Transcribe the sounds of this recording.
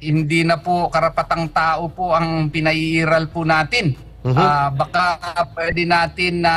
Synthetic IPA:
hɪnd̪iːnɐpʊkɐɾɐpɐt̪aŋt̪aːʔopʊʔɐŋpɪnɐʔiʔiːɾɐlpʊnaːt̪ɪn | abɐkaapwɛːd̪ɛnaːt̪ɪnːɐ

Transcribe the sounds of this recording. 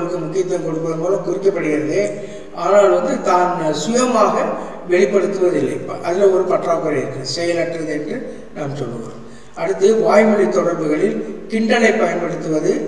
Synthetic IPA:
ɭɯkːɯmʊkːɪjɐt̪ːɐmkɔɽɯpːɐðɯmɡɐlɐ̃mkʊrɪkːɐpːɐɽɯɣɪɾɐðeː | ʔaːnaːlʋɐnd̪ɯt̪aːnsʊjɐmaːɣɐ | ʋɛɭɪpːɐɽɯt̪ːɯʋɐðɪlːɐɪʔɐðɪlɐɔɾɯpɐʈːraːpɣɐɭɪɾɯkːɯɐsɛjɐlɐʈːrɐðɯɛndrɯ | naːmsɔlːɯʋa̰ː | ʔɐɽɯt̪ːɯʋaːjmɐɽɪt̪ːɔɽɐɾbɯɣɐɭɪlkɪɳɖɐlɐɪpːɐjɐnpɐɽɯt̪ːɯʋɐðɯ

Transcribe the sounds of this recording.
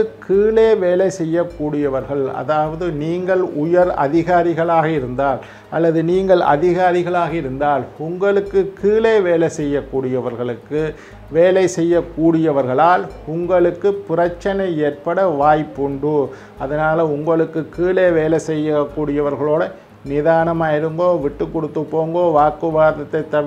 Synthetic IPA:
kiːɭeːʋeːlɐɪsɛjːɐkːuːɽɪjɐʋɐɾɣɐɭɐ̰ðaːʋɐðɯniːŋɡɐɭʊjɐɾɐ̰ðɪɣaːɾɪɣɐɭaːɣɐɪɾɯnd̪aːl | ʔɐ̰lːɐðɯniːŋɡɐɭɐ̰ðɪɣaːɾɪɣɐɭaːɣɐɪɾɯnd̪aːlʊŋɡɐɭɯkːɯkʰiːɭeːʋeːlɐɪsɛjːɐkːuːɽɪjɐʋɐɾɣɐɭɯkːɯ | ʋeːlɐɪsɛjːɐkːuːɽɪjɐʋɐɾɣɐɭaːlʊŋɡɐɭɯkːɯpʊrɐt͡ʃːɐnɐɪeːɾpɐɽɐʋaːjpːʊɳɖɯ | ɐðɐnaːlɐʊŋɡɐɭɯkːɯkːiːleːʋeːlɐɪsɛjːɐkːuːɽɪjɐʋɐɾɣɐɭoːɽɐ | nɪðaːnɐmaːɪɾɯŋɡoːʋɪʈːɯkːɔɽɯt̪ːɯpːoːŋɡoːʋaːɾkɯʋaːɾðɐt̪ːɐɪt̪ːɐʋ

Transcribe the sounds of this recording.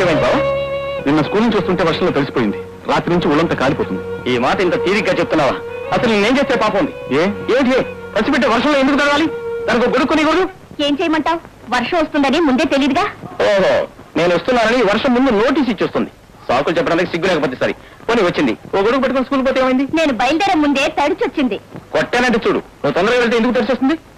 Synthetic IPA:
eːmɐjnibaːbaːninːɐskuːlnuɲt͡ʃiɐst̪uɳʈeːʋɐɾʂɐmlot̪elisipoːjind̪i | ɾaːt̪inuɲt͡ʃiuɭːɐnt̪ɐkaːlipoːt̪und̪iiːmaːʈɐint̪ɐt̪iːɾiɡɡaːt͡ʃep̚ut̪unːaːʋaːɐsɐlninneːɲt͡ʃe̞ːst̪eːpaːpɐund̪ieːeːnʈ̬id̪eːpʰɐlisipeʈ̬ːeːʋɐɾʂɐmloend̪ukut̪ɐɾɐʋaːlid̪aːnɐkoːɡoɽukːoniɡoɽuɽu | eːɲt͡ʃeːjɐmɐɳʈaːw | ʋɐɾʂɐmɐst̪und̪ɐnimund̪e̞ːt̪e̞lijd̪iɡaːoːɦo̰ːne̞ːnuʋɐst̪unːaːnɐniːʋɐɾʂɐmːund̪unoːʈ̬iːs̬it͡ʃːuːst̪und̪i | saːkulut͡ʃɛp̬ːɐɽɐnt̪ɐkisiɡːulɛːkɐp̬oːt̪̬ːisa̰ːɾḭ | koːniʋɐt͡ʃːind̪ḭoːɡoɽukːupɐʈːukunɐskuːlp̬oːt̪eːmɐjind̪ine̞ːnubɐjɐld̪ɛːɾɐmːund̪e̞ːt̪ɐɽit͡ʃɐt͡ʃːind̪ikoʈːɛːnɐɳʈet͡ʃuːɽṵ | nuːt̪ɔnd̪ɐɾɐkːʋeɭt̪eːnd̪ukut̪ɐɽisest̪und̪i

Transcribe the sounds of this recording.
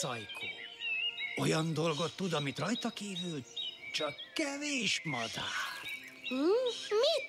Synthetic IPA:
ɒjkʰo̰ː | o̞jɒnd̪o̞lɡo̞t̪ːud̪ɒmit̪rɒjt̪ɒkiːvylt͡ʃɒkːɛveːʃmɒd̪aːr | mi

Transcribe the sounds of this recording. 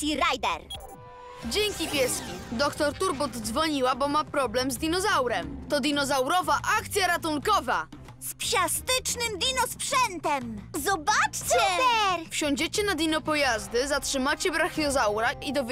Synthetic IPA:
iɾajd̪ɛ̰ɾ | d͡ʑɛŋkʲipʲjɛskʲid̪ɔkt̪ɔɾt̪uɾbɔd̪d̪zvɔɲiwabɔmapɾɔblɛmzd̪ʲinɔzawɾɛmt̪ɔd̪ʲinɔzawɾɔvaʔak̚t̪sʲjaɾat̪uŋkɔva̰ | spɕast̪ɘt͡ʂnɘmd̪ʲinɔspʂɛnt̪ɛmzɔbat͡ʂt͡ɕɛɛɾfɕɔ̃ɲd͡ʑet͡ɕɛnad̪ʲinɔpɔjazd̪ɘzatʂɘmat͡ɕɛbɾaxjɔzawɾaid̪ɔvʲ

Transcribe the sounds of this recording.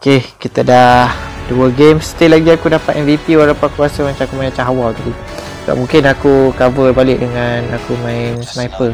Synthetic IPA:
okekit̪adahduəɡemst̪elaɡiakudapat̪ɛnvipiwalapaakuasəmãt͡ʃamakumãat͡ʃaɦawalt̪adi | səba̰p̚mũŋkɪnakukavəbalɪk̚dəŋanakumãɪnsnajpə

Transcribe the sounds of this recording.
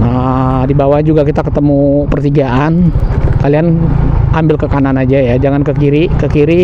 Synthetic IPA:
ə | dibawahd͡ʒuɡakit̪akət̪əmupərt̪iɡaʔankalianambɪlkəkananad͡ʒajad͡ʒaŋankəkiɾikəkiɾi

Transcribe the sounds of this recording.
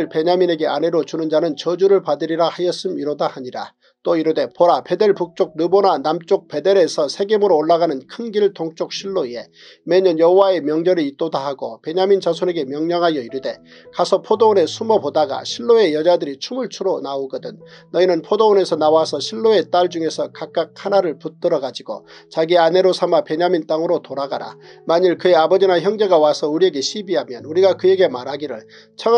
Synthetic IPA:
ɯɭpe̞ɲamine̞ɡe̞ane̞ɾot͡ɕunɯnd͡ʑanɯnt͡ɕʌd͡ʑuɾɯɭpadɯɾiɾahajʌs͈ɯmiɾodahaɲiɾa̰ | t͈oiɾude̞poɾape̞de̞ɭpuk̚t͡ɕ͈ok̚nɯbonanamt͡ɕ͈ok̚pe̞de̞ɾe̞sʰʌsʰe̞ɡemɯɾoːɭːaɡanɯnkʰɯnɡiɭtoŋt͡ɕ͈ok̚ɕʰiɭːoie̞ | me̞ɲʌnjʌɦowae̞mjʌŋd͡ʑʌɾiit̚t͈odaɦaɡope̞ɲamint͡ɕasʰone̞ɡe̞mjʌŋɲʌŋɦajʌiɾɯde̞ | kasʰʌpʰodoone̞sʰumʌpodaɡa̰ɕʰiɭːoe̞jʌd͡ʑadɯɾit͡ɕʰumɯɭt͡ɕʰuɾonaoɡʌdɯnːʌinɯnpʰodoone̞sʰʌnawasʰʌɕʰiɭːoet͈aɭd͡ʑuŋe̞sʰʌkak̚k͈ak̚hanaɾɯɭput͈ɯɾʌɡad͡ʑiɡo̰t͡ɕaɡiane̞ɾosʰamape̞ɲamint͈aŋɯɾotoɾaɡa̰ɾa̰maɲiɭkɯe̞abʌd͡ʑinaçjʌŋd͡ʑe̞ɡawasʰʌuɾie̞ɡe̞ɕʰibiɦamjʌnuɾiɡakɯje̞ɡe̞maɾɦaɡiɾɯ̰ɭ | t͡ɕʰʌ

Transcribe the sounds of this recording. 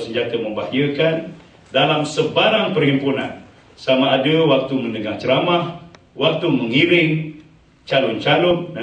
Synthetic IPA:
səɲd͡ʒat̪əmə̃mbahjəkan | dalamsəbaɾaŋpərhimpunã̰n | samaːdəwak̚t̪umə̃nəɡaŋt͡ʃəɾamah | wak̚t̪uməŋiɾɪŋ | t͡ʃalʊnt͡ʃalʊn̚

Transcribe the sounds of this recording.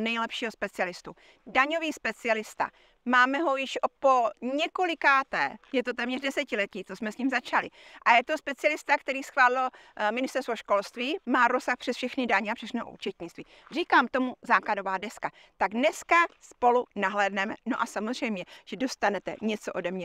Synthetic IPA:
nɛjlɛpʃiːɦospɛt͡sɪalɪst̪u | daɲo̞viːspɛt͡sɪɛlɪst̪a̰ | maːmɛɦo̞jɪʃopoɲɛkolɪkaːt̪ɛːjɛt̪o̞t̪ɛːmɲɛrdɛsɛcɪlɛciːt͡sosmɛsɲiːmzat͡ʃalɪʔajɛt̪o̞spɛt͡sɪɛlɪst̪akt̪ɛɾiːsxvaːlɪlo | mɪnɪst̪ɛɾst̪voʃko̞lst̪viːmaːɾosaxpr̥ɛsfʃɛxnɪdaɲɛapr̥ɛxnɛoʔṵːt͡ʃɛt̪ɲɪt͡st̪viːr̝iːkaːmt̪o̞muzaːklado̞vaːdɛska | t̪aɡdnɛskaspo̞lunaɦlɛːdnɛmɛnoʔasamozr̝ɛjmɲɛʒ̥ɛdo̞st̪anɛt̪ɛ̰ɲɛt͡soʔo̞dɛmɲɛ

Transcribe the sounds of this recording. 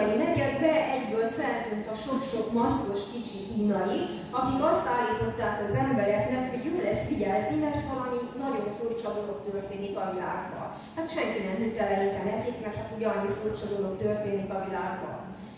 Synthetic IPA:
imɛɡɛɡbɛʔɛɟbøːlfɛlt̪ynt̪ɒʃo̞kʃo̞kmɒskoʃkit͡ʃihiːnɒji | ɒkikɒst̪aːliːt̪o̞t̪ːaːkɒzɛmbɛɾɛknɛkho̞ɟjoːlɛsfiɟɛlznimɛrt̪vɒlɒmit̪nɒɟo̞ɱfurt͡ʃɒd̪o̞lo̞kt̪ørt̪eːnikɒvila̰ːɡbɒ̰l | hat̪ʃɛŋkinɛmhit̪ɛlɛit̪ɛnɛt̪ikmɛrʰat̪uɟɒɲːifurt͡ʃɒd̪o̞lo̞kt̪ørt̪eːnikɒvilaːɡbɒ̰l

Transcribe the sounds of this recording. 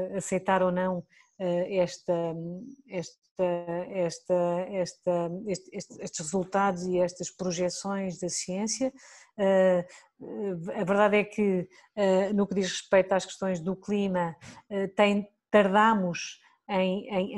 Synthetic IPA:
ɐsɐjt̪aɾonɐ̃w̃ | ɛɛʃt̪ɐ | ɛʃt̪ɐɛʃt̪ɐɛʃt̪ɐeʃt̪eʃt̪eʃt̪ʒ̥ʁɨzulˠt̪aðuziɛʃt̪ɐʃpɾuʒɛsõj̃ʒðɐsiẽsjɐ | ɛ | ɐvɨɾðaðɛkʰɨ | ɛnukðiʃʁɨʃpejt̪uaʃkɨ̥ʃt̪õj̃ʒðuklˠimɐɛt̪ɐ̃j̃ | t̪ɐɾðamuʃ | ɐ̃j̃ɐ̃j̃

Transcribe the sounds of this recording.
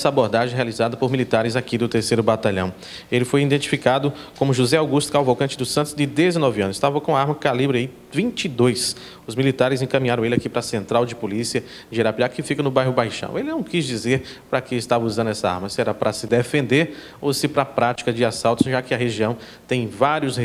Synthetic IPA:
ɛsɐaboɾd̪aʒẽɦealizad̪ɐpoɾmilit̪aɾɪzakid̪ʊt̪eɾsejɾʊbat̪aʎɐ̰̃w̃ | elɪfojĩd̪ẽnt͡ʃi̥fikad̪ʊkõmʊʒuzɛawɡust̪ʊkawvokɐ̃t͡ʃɪd̪ʊsɐ̃t̪ʊzd͡ʒɪd̪ezenɔviɐ̃nʊzɪst̪avɐkõɐaɾmɐkalibɾɪai | vĩt͡ʃid̪ojs | ʊzmilit̪aɾɪzẽkɐ̃mĩɲaɾɐ̃w̃elɪakipɾɐsẽnt̪ɾawd͡ʒɪpolisiɐ | d͡ʒeɾapiakɪfikɐnʊbajɦʊbajʃɐ̰̃w̃elɪnɐ̃w̃kizd͡ʒizeɾ | pɾɐkɪɪst̪avɐuzɐ̃nd̪ʊɛsɐa̰ɾmɐsɪɛɾɐpɾɐsɪd̪efẽnd̪eɾ | osɪpɾɐapɾat͡ʃi̥kɐd͡ʒɪasawt̪ʊsʒakɪɐɦeʒiɐ̃w̃ | t̪ẽj̃vaɾiʊsh

